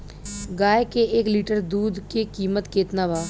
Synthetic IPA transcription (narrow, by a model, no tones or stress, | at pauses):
ɡaːjkeʔeːkliːʈəɾd̪uːd̪kekiːmət̪keːt̪naːʋaː